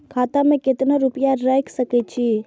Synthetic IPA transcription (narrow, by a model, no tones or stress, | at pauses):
kʰat̪amẽket̪naɾupjaɾajksəkɛt̚t͡ʃʰi